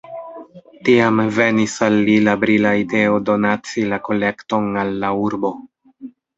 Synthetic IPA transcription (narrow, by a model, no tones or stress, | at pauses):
tiamve̞nisalːilabɾilaide̞o̞do̞nat͡silako̞le̞kto̞nalːauɾbo̞